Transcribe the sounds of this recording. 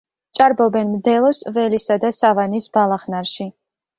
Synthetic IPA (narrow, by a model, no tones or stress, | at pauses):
t͡ʃʼaɾbɔbɛnmd̪ɛlˠɔsvɛlisad̪asavanisbalˠaχnaɾʃi